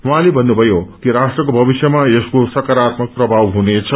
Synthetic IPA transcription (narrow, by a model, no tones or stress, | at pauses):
wuɦãlebʱʌnːubʱʌjokiɾasʈrʌkobʱʌbisjemaeskosʌkaɾat̪mʌk̚prʌbʱawɦunet͡sʰʌ